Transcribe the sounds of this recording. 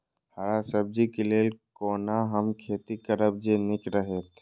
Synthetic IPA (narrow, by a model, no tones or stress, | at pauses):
həɾasəb̚d͡ʒikelekoːnaɦəmkʰeːt̪ikəɾəb̚d͡ʒenɪkɾəɦet̪ʰ